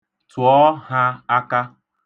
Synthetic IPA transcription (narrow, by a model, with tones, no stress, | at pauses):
twɔ˦ha˦a˦ka˦